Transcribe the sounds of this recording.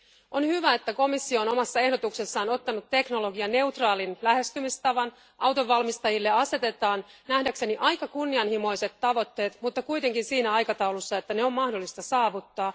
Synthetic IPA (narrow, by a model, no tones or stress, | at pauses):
onhyʋæe̞t̪ːæko̞misːio̞ːno̞mɑsːɑe̞hdo̞t̪uksesːɑːno̞t̪ːɑnut̪tːe̞kno̞lo̞ɡiɑne̞wt̪rɑːlinlæhe̞st̪ymist̪ɑʋɑn | ʔɑwt̪o̞ʋːɑlmist̪ɑjilːe̞ɑse̞t̪e̞t̪ɑːnnæhdækseniʔɑjkɑkunːiɑnhimo̞ise̞t̪ːɑʋo̞t̪ːe̞ːt̪mut̪ːɑkujt̪e̞ŋkinsiːnæɑjkɑt̪ɑulusːɑet̪ːæneo̞mmɑhdo̞lːist̪ɑsɑːʋut̪ːɑː